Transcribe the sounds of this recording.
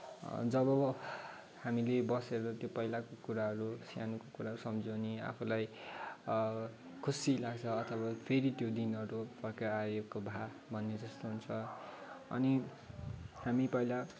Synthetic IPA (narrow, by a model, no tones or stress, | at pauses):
d͡zʌβʌ | hamilebʌseɾʌt̪jopʌjlakokuɾaɦʌɾusja̰nukokuɾaɦʌɾusʌmd͡zʌnia̰pʰulaj | kʰusilaɡt͡sʰʌːt̪ʰʌβapʰeɾit̪jod̪inʌɾupʌrkeakobʱa | bʱʌnːed͡zʌst̪oɦunt͡sʰʌ | ʌ̰ni | hamipʌila